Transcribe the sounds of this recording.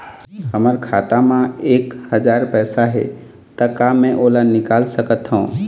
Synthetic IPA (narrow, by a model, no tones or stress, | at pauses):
həməɾkʰaːt̪amãeːkhəd͡ʒaːɾpɛːsaɦḛ | t̪əkaːmɛ̃ʔoːlanɪkaːlsəkət̪ɦõ